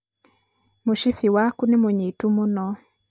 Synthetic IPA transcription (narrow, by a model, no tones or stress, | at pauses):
moʃifiwakunɪmoɲeitumonɔ